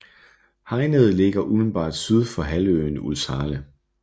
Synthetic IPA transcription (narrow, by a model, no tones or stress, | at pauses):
hɑ̈ɪnəð̞ˠle̝ɡ̥ɐʔumn̩b̥ɑ̰̈ːd̥syð̞ˠfɒ̽ɦælø̰ːnṵðˠsɑ̈ːlə